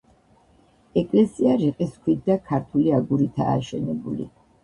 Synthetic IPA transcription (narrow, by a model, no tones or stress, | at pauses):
ɛkʼlɛsiaɾiqʼiskʰwid̪d̪akʰaɾt̪ʰuliaɡuɾit̪ʰa̰ːʃɛnɛbulḭ